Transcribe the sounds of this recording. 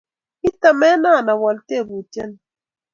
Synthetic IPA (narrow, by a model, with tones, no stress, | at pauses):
i˦ta˨mɛ˦na˦˨na˨wɔ˨lte˦˨bu˨tɛ˦n